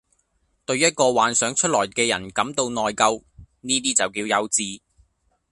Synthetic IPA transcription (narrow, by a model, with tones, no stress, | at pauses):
t̪ɵ˧ɥjɐ˥t̚kɔː˧waː˨˥nsœː˨˥ŋt͡ʃʰɵ˥t̚lɔː˨˩jkɛː˧jɐ̰˨˩nkɐ˨˥mt̪o˧wnɔː˨jkɐ˧w | niː˥t̪iː˥t͡sɐ˨˩wkiː˧wjɐ˨˧wt͡siː˧